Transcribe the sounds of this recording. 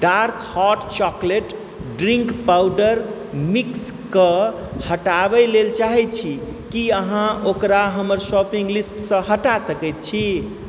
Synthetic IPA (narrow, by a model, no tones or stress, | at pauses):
ɖaɾkhɔʈt͡ʃɔkleʈ | ɖɾiŋkpawɖəɾ | mikskə | həʈabəlelt͡ʃaɦɛt̪̚t͡ʃʰi | kiəɦãokɾaɦəməɾsɔpiŋɡlisʈsə̃ɦəʈasəkɛt̪̚t͡ʃʰi